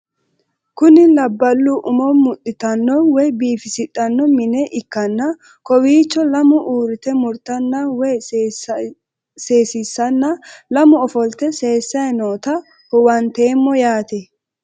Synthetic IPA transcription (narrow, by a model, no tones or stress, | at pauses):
kʊnɪlɐbːɐlːuʔʊmɔmʊʔʼɪt̪ɐnːɔwɛjbiːfɪsɪtʼːɐnːɔmɪnɛʔɪkːɐnːɐ | kɔwiːt͡ʃːɔlɐmʊʔuːɾɪt̪ɛmʊɾt̪ɐnːɐwɛj | seːsisːɐnːɐlɐmʊɔfɔlt̪ɛse̞ːsːɐjɛnoːt̪ɐ | hʊwɐnt̪eːmːɔjaːt̪ɛ